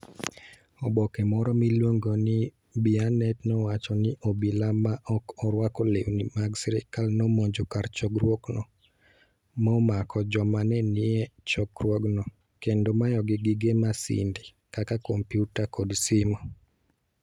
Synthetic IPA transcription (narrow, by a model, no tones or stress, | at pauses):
ɔbɔkɛmɔɾɔmilwoŋɡonɪ | bianɛtnɔwat͡ʃɔnɪʔobilamaʔɔkɔɾwakɔlewnimaɡsɛɾikalnɔmoɲd͡ʒokaɾt͡ʃɔɡrwoknɔ | mɔmakɔd͡ʒɔmanɛnɪɛt͡ʃɔɡrwɔɡnɔ | kendomajɔɡɪɡɪɡemasɪ̰ndi | kakakompjutakodsɪmɔ